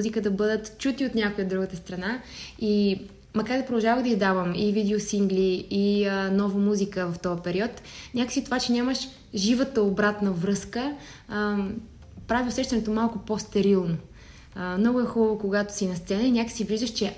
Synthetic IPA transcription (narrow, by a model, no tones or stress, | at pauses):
zikəd̪ɐbɤd̪ət̪t͡ʃut̪iot̪nʲjakʊjəd̪ɾuɡət̪əst̪ɾɐnai | mɐkaɾd̪ɛpɾod̪ɐlˠʒavəɣd̪ɐizd̪avəmivid̪ɛosiŋɡlʲiinɔvəmuzikəvɐft̪ɔəpɛɾiɔt̪nʲakə̥sit̪ovat͡ʃɛnʲaməʃ | ʒivət̪əobɾat̪nəvɾɤskə | pɾaviosɛʃt̪ɐnɛt̪omalˠkʊpost̪ɛɾilˠno | mnɔɡʊɛxubəvokoɡat̪o̥sinɐst̪sɛnəinʲakə̥sivlizəʃt͡ʃɛ